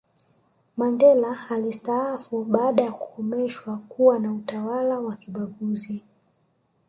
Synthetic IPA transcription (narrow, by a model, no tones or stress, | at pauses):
mandɛlaːlistaafuɓaːɗajakukʰɔmɛʃwakuwanautawalawakiɓaɠuzi